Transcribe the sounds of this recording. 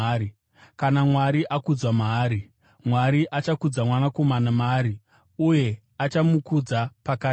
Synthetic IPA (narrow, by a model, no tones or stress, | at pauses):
i | kanamwaɾiʔakud͡zwamaːɾi | mwaɾiʔat͡ʃakud͡zamwanako̞manamaːɾi | uje̞ | at͡ʃamukud͡zapaka